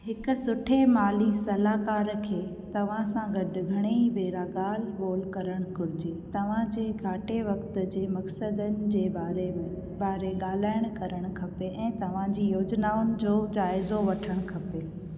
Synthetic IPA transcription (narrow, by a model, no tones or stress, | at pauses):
ɦɪkʊ̆sʊʈʰemaːlisɐlaːkaːɾkʰeː | t̪ɐʋ̤ãsãɡɐɖɡʱɐɽ̃eibeːɾaɠaːlɡoːlkɐɾəɽ̃kʊɾɪd͡ʑeːt̪ɐʋ̤ãd͡ʑeːɡʱaːʈeʋɐkt̪ʊ̆d͡ʑeːmɐksəd̪ənɪ̆d͡ʑeːbaːɾẽ | baːɾeɠaːl̤aːɪɽ̃kɐɾəɽ̃kʰɐpeʔɛ̃ːt̪ɐʋ̤ãd͡ʑiːjoːd͡ʑnaːʊnɪ̆d͡ʑoːd͡ʑaːɪzoʋɐʈʰəɽ̃kʰɐpe